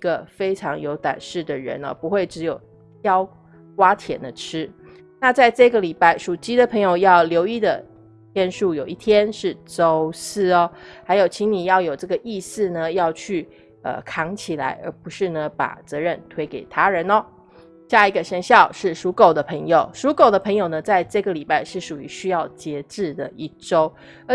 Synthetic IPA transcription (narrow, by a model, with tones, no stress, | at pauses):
i˧˥ɡə˧fe˥ɪʈ͡ʂʰɑ˧˥ŋjo˧˥ʊt̪wa̰˨˩nʂɻ̩˥˩d̪ə˩ɻə̰˧˥nɐ̰˦pu˧˥xwe˥˩ɪʈ͡ʂɻ̩˧˥jo˨˩ʊ | jɑ˥ʊ | kwa˥t̪ʰjɛ̰˨˩nd̪ə˦ʈ͡ʂʰɻ̩˥ | na˥˧t͡sa˥˧ɪʈ͡ʂɤ˥˩ɡə˩li˨˩pa˥˩ɪʂu˨˩t͡ɕi˥d̪ə˨pʰɤ˧˥ŋjo˨ʊjɑ˥˩ʊljo˧˥ʊi˥˩d̪ə˩ | t̪ʰjɛ˥˧nʂu˥˩jo˨˩ʊi˥˩t̪ʰjɛ˥nʂɻ̩˥˩ʈ͡ʂo˥ʊsɹ̩˥˩ɐ˦ha˧ɪjo˨˩ʊt͡ɕʰi˧˥ŋni˨˩jɑ˥˩ʊjo˨˩ʊʈ͡ʂɤ˥˩ɡə˩ʔi˥˧sɹ̩˥˩nə˩jɑ˥˧ʊt͡ɕʰy˥˩ | ə̰˨kʰɑ˧˥ŋt͡ɕʰi˨˩la̰˧˥ɪʔə̰˞˧˥pu˧˥ʂɻ̩˥˩nə˩pa̰˨˩t͡sɤ˧˦ɻə˥˩nt̪ʰwe˥ɪke˨˩ɪt̪ʰa˥ɻə˧˦nɔ˧ | ɕja˥˩i˧˥ɡə˧ʂə˧˥nɕjɑ˥˧ʊʂɻ̩˥˩ʂu˧˥ko˨˩ʊd̪ə˦pʰə˧˥ŋjo˨˩ʊʂu˧˥ko˨˩ʊd̪ə˦pʰɤ˧˥ŋjo˨˩ʊnə˦t͡sa˥˧ɪʈ͡ʂɤ˥˩ɡə˩li˨˩pa˥˧ɪʂɻ̩˥˩ʂu˨˩y̰˧˥ɕy˥jɑ˥˩ʊt͡ɕjɛ˧˥ʈ͡ʂɻ̩˥˩d̪ə˩ʔi˥˩ʈ͡ʂo˥ʊ˧